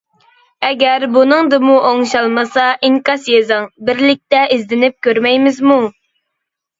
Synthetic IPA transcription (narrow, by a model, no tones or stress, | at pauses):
ɛɡʲæɾbunɨŋd̪ɨmuʔoŋʃɑlˠmɨsɑʔiŋkɑsjezɨŋbɪɾlɪk̚ʲt̪ɛʔizd̪ɪnɪp̚kʲʰøɾmɛjmɪzmu